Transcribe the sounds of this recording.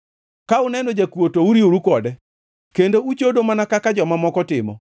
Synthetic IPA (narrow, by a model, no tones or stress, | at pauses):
kaʊnɛnod͡ʒakwotouɾioɾukɔdɛ | kendout͡ʃodomanakakad͡ʒɔmamɔkɔtɪmɔ̰